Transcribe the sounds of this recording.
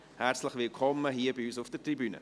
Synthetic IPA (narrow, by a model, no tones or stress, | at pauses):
hæɾt͡sləχvɪlkʰɔmːəɦiːəbɪyːsʊfd̥ətribynə̰